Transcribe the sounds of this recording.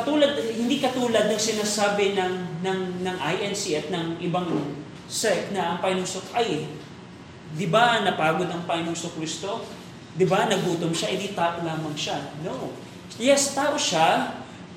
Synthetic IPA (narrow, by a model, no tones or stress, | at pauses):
kɐt̪uːlɐd̪̚hɪnd̪ikɐt̪uːlɐd̪̚nɐŋsɪnaːsaːbɪnɐŋnɐŋnɐŋʔajʔɛnsiʔɐt̪̚nɐŋɪbaŋ | sɛk̪̚nɐʔɐŋpɐjnosokʔɐj | d̪ɪbanɐpaːɡo̞d̪ɐŋpaɪnosokɾist̪o̞ | d̪ɪbanɐɡuːt̪omʃaʔɪd̪it̪aːʔolaːmɐŋʃanoʔ | jɛst̪aːʔo̞ʃa